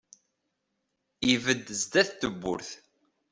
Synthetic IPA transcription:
ivəd̪ːzd̪æθt̪ːəbːʊ̰ɾθ

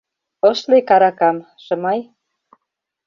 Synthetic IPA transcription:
əʃlekɑɾɑkɑm | ʃɤ̆mɑj

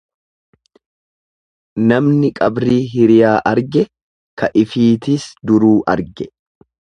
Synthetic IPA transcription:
nɐmnɪkʼɐbɾiːɦɪɾɪjaːʔɐɾɡɛ | kɐʔɪfiːt̪ɪsd̪ʊɾuːʔɐɾɡɛ

